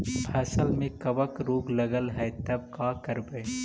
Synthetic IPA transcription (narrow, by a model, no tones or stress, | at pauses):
pʰɛːsəlmẽkɐʋɐkɾoːɡlɐɡəlɦɛjt̪ɐb̚kaːkɐɾbej